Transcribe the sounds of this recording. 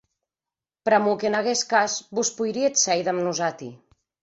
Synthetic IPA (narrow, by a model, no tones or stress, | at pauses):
pɾamukenaɣeskazbuspujɾiet̪sɛjðamnuzat̪ḭ